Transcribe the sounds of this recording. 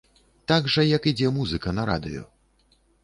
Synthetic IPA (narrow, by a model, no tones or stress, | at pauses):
t̪aɡʐɐjɐkid͡zʲɛmuzɨkɐnɐɾa̰d̪ɨ̰jɔ̰